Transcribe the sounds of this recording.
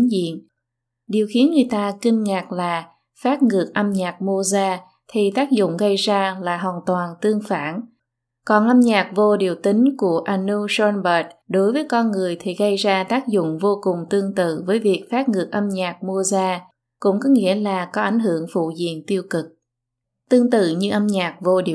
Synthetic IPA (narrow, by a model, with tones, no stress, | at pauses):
zḭ˧˨ən | ɗi˨˩əwxi˨˦ənŋɨ˨˩ə˨jt̪aː˧ki˧ŋŋaː˨˩k̚laː˨˩ | faː˦˥t̚ŋɨ˨˩ək̚ʔə˧mɲaː˨˩k̚mu˧əzaː˧ | t̪ʰi˨˩t̪aː˦˥k̚zʊ̰˧˨ŋ͡mɣə˧jzaː˧laː˨˩ɦwaː˨˩nt̪waː˨˩nt̪ɨ˧əŋfaː˧˩n | kɔ˨˩nʔə˧mɲaː˨˩k̚vo˧ɗi˨˩əwt̪ï˨˦ŋ̟ku˧˩əʔa˧nu˧sɔ˧nbəː˨˩t̚ɗo˨˦jvəː˨˦jkɔ˧nŋɨ˨˩əjt̪ʰi˨˩ɣə˧jzaː˧t̪aː˦˥k̚zʊ̰˧˨ŋ͡mvo˧kʊ˨˩ŋ͡mt̪ɨ˧əŋt̪ɨ̰˧˨vəː˨˦jvi˨˩ək̚faː˦˥t̚ŋɨ˨˩ək̚ʔə˧mɲaː˨˩k̚mu˧əzaː˧ | kʊ̰˧˥ŋ͡mkɔ˨˦ŋḭ˧˥əlaː˨˩kɔ˨˦ʔa˧˩jŋ̟ɦɨ˧˩əŋfṵ˧˨zḭ˧˨ənt̪i˧əwkɨ˨˩k̚ | t̪ɨ˧əŋt̪ɨ̰˧˨ɲɨ˧ʔə˧mɲaː˨˩k̚vo˧ɗi˨˩